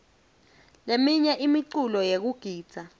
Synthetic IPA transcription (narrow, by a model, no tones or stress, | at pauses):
lemiɲɛʔimiǀulɔjek̬uɡ̥ʱiːd̥z̥ʱa